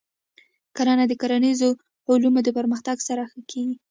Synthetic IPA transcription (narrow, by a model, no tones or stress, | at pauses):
kaɾɑnad̪əkaɾanizo | ʊlumod̪əpəɾməxt̪aɡsaɾaxəkʰeɡi